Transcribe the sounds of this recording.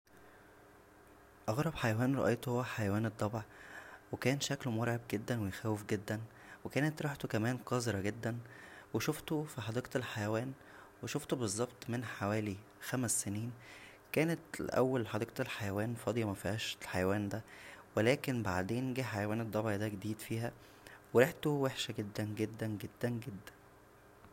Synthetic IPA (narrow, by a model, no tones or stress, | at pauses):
ʔɑɣɾˤɑbħajæwæːnɾˤɑʔejt̪ohowːæħajæwæːned̪ˤːɑbʕwekæːnʃæklmoɾʕeb̚ɡed̪ːænwejxæːwefɡed̪ːæn | wekæːnet̪ɾˤɑħt̪okæmæːnqɑzeɾˤɑɡed̪ːænweʃoft̪ofiħɑd̪ˤeːʔt̪elħajæwæːn | weʃoft̪obezˤːɑbt̪ˤmenħawæːli | xæmæsːeniːn | kæːnet̪l̰ʔæwːælħɑd̪iːqt̪elħajæwæːnfɑd̪ˤjɑmæfihæʃlħajæwæːnd̪æwelæːkenba̰ʕd̪eːnɡiːħajæwæːned̪ˤːɑbʕid̪æɡed̪iːd̪fiːɦæ | weɾeħt̪oweħʃæɡed̪ːænɡed̪ːænɡed̪ːænɡed̪ːæn